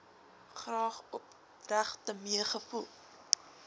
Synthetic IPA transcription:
χrɑːχɔp̚ | ræχtəmiəχəfulˠ

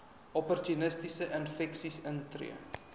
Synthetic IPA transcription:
ʔɔpɔrt̪ynəstisəʔənfɛksisəntrḭə

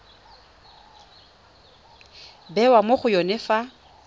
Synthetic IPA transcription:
bɛwamoχʊjɔnɪfa

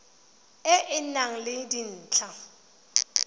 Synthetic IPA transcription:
ɪʔɪnaŋ̩lɪdin̩ːt͡ɬʰa

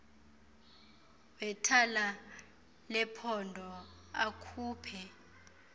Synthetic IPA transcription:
wɛtʰala | lɛpʰɔndʱɔ | akʰuːpʰɛ

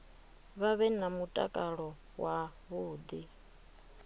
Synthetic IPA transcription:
βaβɛnamutʼa̰kʼaɺɔ | waβuːd̪i

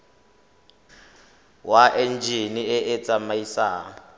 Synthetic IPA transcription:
waʔend͡ʒʱiniɛʔet͡sʼamaisaː

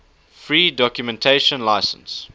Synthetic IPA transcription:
fɹiːdɔkjumɛ̃ntʰeɪʃə̃nlaɪsə̃ns

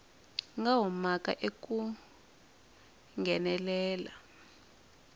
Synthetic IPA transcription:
ŋɡaɦumakʼa̰ʔekʼu | ŋɡɛnɛlɛːla̰

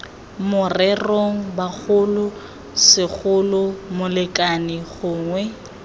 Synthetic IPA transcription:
mʊrɛroŋ̩bak͡xʰʊlʊ | sɪk͡xʊlʊmʊlɪkʼanɪɣʊːŋwɛ

